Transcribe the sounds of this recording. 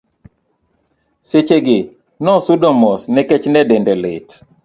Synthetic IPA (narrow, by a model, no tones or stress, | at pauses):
set͡ʃeɡɪ | nɔsudɔmɔsnɛket͡ʃnɛdɛndɛlɪt